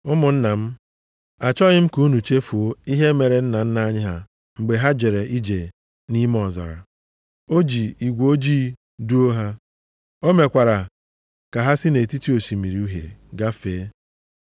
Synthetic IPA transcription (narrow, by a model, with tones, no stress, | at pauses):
ʊ˦mʊ˨n̩˦na˨m̩˦ | a˨t͡ʃɔ˦ɲɪ˦m̩˦ku˦nu˨t͡ʃe˦fu˨o˦i˦ɦe˦me˨ɾe˨n̩˦na˨n̩˦na˦ɲɪ˦ɦa˨ | ŋ͡m̩˨ɡ͡be˨ɦa˦d͡ʒe˨ɾe˨ʔi˦d͡ʒe˨ | ni˦m˦ɔ˨zɔ̰˨ɾa̰˨ | o˦d͡ʒi˨i˨ɡʷo˦d͡ʒiː˦ | du˦o˦ɦa˦ | o˦me˨kʷa˨ɾa˨ | ka˨ɦa˦sɪ˦ne˨ti˦ti˦o˨si˨mi˨ɾi˨u˦ɦḛ˨ɡa˦feː˨˦